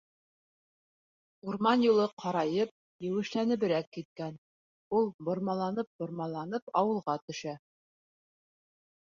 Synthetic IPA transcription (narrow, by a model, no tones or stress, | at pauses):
uɾmɑnjulˠɤqʰɑɾɑjɤp̚ | jɘ̆wɘ̆ʃlænɘ̆βɘ̆ɾækːit̪̚kæn | ulˠbŏɾmɑlˠɑnɤp̚bŏɾmɑlˠɑn̪ɤpɑwɤ̆lˠʁɑt̪ɵ̆ʃæ